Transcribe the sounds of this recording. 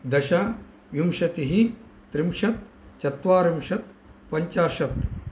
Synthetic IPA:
d̪ɐʃa | ʋjumʃɐt̪iɦi | t̪ɾimʃɐt̪ | t͡ʃɐt̪ʋaːɾimʃɐt̪ | pɐɲt͡ʃaːʃɐt̪

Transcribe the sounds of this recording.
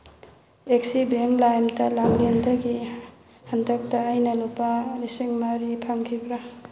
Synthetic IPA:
ek̚sibeŋlajmtɐlaŋlendaɡi | handak̚taːjnɐlupalisiŋmaɾipʰaŋkʰibɾa

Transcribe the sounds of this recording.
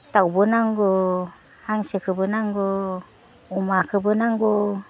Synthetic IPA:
tawbɯnaŋɡɔ | haŋsɯkʰɯbɯnaŋɡɔ | umakʰɯbɯnaŋɡɔ

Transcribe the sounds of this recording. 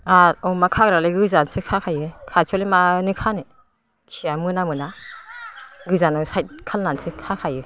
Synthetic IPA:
aɔmakʰaɡɾaleɡɯzansɯkʰakʰajɯkʰat͡ʃʰɔlimanɯkʰanɯ | kʰsiamɯnamɯna | ɡɯzanɔsajt̚kʰalnansɯkʰakʰajɯ

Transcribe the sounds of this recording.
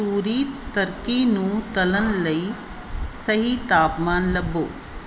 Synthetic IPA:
suːɾit̪əɾkinũːt̪ɐlənləiː | sɐɦit̪aːpmaːnlɐbːo̰ː

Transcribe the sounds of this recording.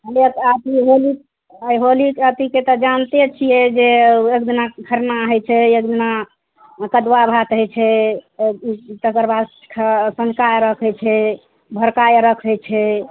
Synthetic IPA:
ɦəliək̪at̪iɦolik | ajɦolikat̪iket̪ɔd͡ʒant̪et͡ʃʰijɛd͡ʒeek̚d̪inakʰəɾnaɦət͡ʃʰɛek̚d̪ina | kəd̪wabʱat̪ɦəjt͡ʃʰɛ | it̪əɡəɾbʱa | kʰsə̃nd͡ʒkajɾəkʰəjt͡ʃʰɛ | bʱəɾkajɾəkʰɦət͡ʃʰɛ

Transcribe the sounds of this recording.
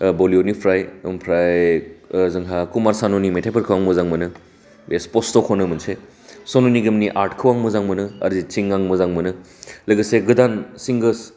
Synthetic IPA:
bolionipʰɾajɐmpʰɾaj | zɯŋɦakumaɾsanonimetʰepʰɐɾkʰɯwaŋmɯzaŋmɯnɯ | bespostokʰonɯmɐnsʰe | sononiɡɐmniʔaɾʈkʰɯwaŋmɯzaŋmɯnɯɐ̰ɾzit͡ʃiŋːaŋmɯzaŋmɯnɯ | lɐɡɐseɡɯdansiŋɡəs

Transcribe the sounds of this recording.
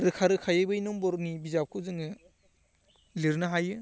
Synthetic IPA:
ɾɯkʰaɾɯkʰajɯbɯjnɔmbɔɾnibizap̚kʰɯwzɯŋɯ | liɾnɯɦajɯ

